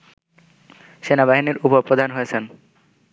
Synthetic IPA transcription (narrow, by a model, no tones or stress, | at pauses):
ʃenabaɦiniɾupopɾod̪ʱanɦojet͡ɕʰen